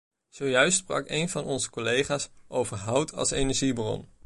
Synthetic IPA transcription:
z̥owjœɥstsprɑ̰kejnvɑnɔnzə̥kolejχaːsʔowvəɹɦʌwtʰɑ̰lˠsejnɛɹʒibrɔ̰n

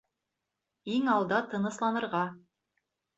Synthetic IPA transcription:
iŋɑlˠd̪ɑt̪ɤ̆nɤ̆slˠɑnɤ̆ɾʁɑ

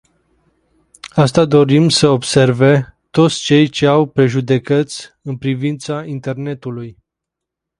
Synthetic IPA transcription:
ast̪ad̪o̞ɾimsəo̞bse̞rve̞t̪o̞t̪sʲt͡ʃe̞jt͡ʃe̞awpɾe̞ʒud̪e̞kət̪sʲɨnpɾivint̪saint̪e̞rne̞t̪uluj

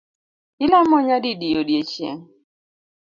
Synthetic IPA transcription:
ilamɔɲadidijodjet͡ʃjḛŋ

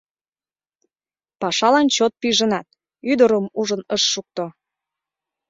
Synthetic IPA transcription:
pɑʃɑlɑnt͡ɕot̪̚pyʒənɑt̪ | yd̪əɾəmuʒənəʃːuk̚t̪o

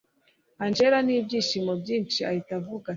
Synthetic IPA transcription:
aɲd͡ʒɛɾanibiʃimɔɟimt͡ʃiaitavuka

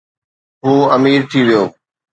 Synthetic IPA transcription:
ɦuːɐmiːɾt̪ʰiʋijoː

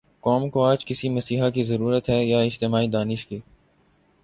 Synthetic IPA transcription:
kɔːmkoaːd͡ʒkɪsiməsiːɦakizəɾuːɾət̪ɦɛːjaːɪd͡ʒt̪ɪmaːiːd̪aːnɪʃkiː

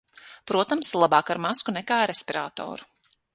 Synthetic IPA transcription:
pɾuɔt̪amslˠabaːkaɾmaskunɛkaːɾespʲiɾa̰ːt̪ɔ̰ːɾu

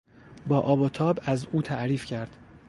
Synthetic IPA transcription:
bɒːʔɒːbot̪ʰɒːbæzuːt̪ʰæʔɾiːfcʰæɾd̪̥

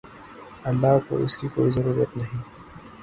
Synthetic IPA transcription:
ɐnlːako̰ɪskiko̰ːizɐɾuːɾijət̪nɐɦĩː

